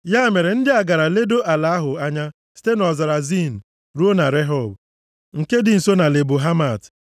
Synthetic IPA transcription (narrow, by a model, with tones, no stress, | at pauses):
ja˦˨me˨ɾe˨n̩˦dɪ˦a˨ɡa˨ɾa˨le˦do˦ʔa˨la˨a˦ɦʊ˨a˦ɲa˦ | si̥˦te˦nɔ˨za˨ɾa˨zi˦n̩˨ | ɾu˦o˦na˨ɾe˦ɦɔ˦˨b | ŋ̩˨ke˦dɪ˨n̩˨so˦na˨le˨bo˨ɦa˦ma˨t